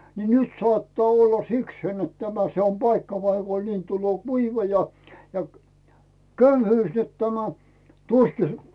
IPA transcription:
ni nyt sŏɑˑtːɑː olːɑ sikseːn net tæmæ se om pɑikːɑ pɑikon niːn tulːoː kuiʋɑ jɑ jɑ køyhyːs net tæmæ tuski

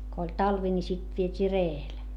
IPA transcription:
ko olʲ tɑlʋi ni sit ʋietʲiː reːel

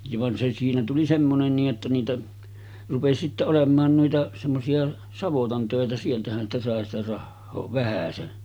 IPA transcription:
jɑ ʋɑn se siːnæ tuli semːonen niːʔ ʔetːæ niːtæ rupesi sitːe olemˑɑːn nuitɑ semːosiɑ sɑʋotɑn tøˑetæ sieltæhæn sitæ sɑˑe sitæ rɑhːoː ʋæhæsen

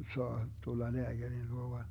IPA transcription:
soɑ tulːɑ leæɡ̊ærin luo ʋɑn

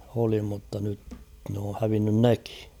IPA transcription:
oli mutːɑ nyt n oː hæʋinːyn neki̥

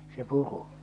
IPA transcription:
se puru

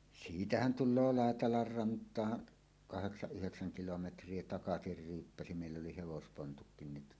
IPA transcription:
siːtæhæn tulːoː lɑˑetɑlɑr rɑntˑɑːn kɑheksɑʔ ʔyheksæŋ kilometrˑie tɑkɑsir ryːpːæsi meˑilː oli heʋospontukːin ni

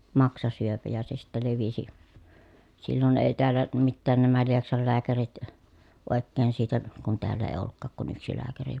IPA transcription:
mɑksɑsyøpæ jɑ se sitːæ leʋisi silːon eˑi̯ teælːæ mitːæːn næmæ lieksɑl læːkærit oˑekːeːn siːtæ kun teælː eˑi̯ olːukːɑːk kun yksi læːkæri

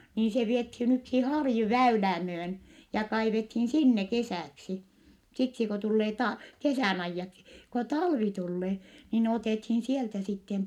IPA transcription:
niːn se ʋiethiːn yksi hɑrju ʋæylæː myøn jɑ kɑiʋethiːn sinːe kesæˑksi siksi ko tulːeː tɑ kesæˑn ɑijːɑksi ko tɑlʋi tulːeː niːn oteˑthiːn sieltæ sitːem

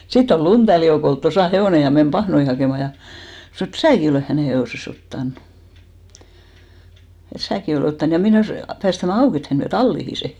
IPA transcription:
sitː ol luntælːi joukol tosɑˑ heʋoˑne jɑ men pɑhnoi hɑkeˑmɑ jɑ snŏ et sæːki oleˑh hæneˑ heoˑses otːɑnu̥ et sæːki oleˑ otːɑn jɑ meneˑs pæːstæmæ ɑuk et hæn ʋiæ tɑlːihi se

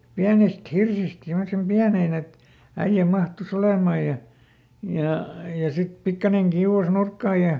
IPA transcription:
piænist hirsist simːosem piæneˑn et æij̆æ mɑhtus olemɑˑj̆ jɑ jɑ jɑ sit pikːɑneŋ kiuw̆ɑs nurkːɑːj̆ jɑ

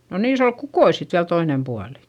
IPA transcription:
no niːs ol kukoi sit ʋiæl toinem puɑli̥

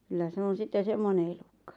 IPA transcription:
kylːæ se on̞ sitːe semːone elukːɑ̥

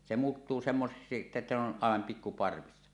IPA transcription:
se muːtːuː semːoseksi etːæ ne on ɑˑeʋɑm pikːu pɑrʋisːɑ

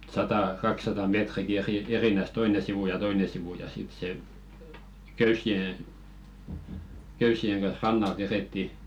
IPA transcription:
sɑtɑˑ kɑksɑtɑ metriki eri erinæs toine siʋuˑ jɑ toine siʋuˑ jɑ sit se køysˑie køysˑieŋ ɡ̊ɑn̞h rɑnːɑlt ʋereˑtːi

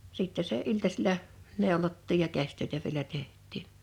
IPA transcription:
siˑtːɛ seˑ ʔiltɑsilɑ neˑolotːiːj jɑ kæsʲtøˑetæ ʋielæ tehˑtˑiˑn̥

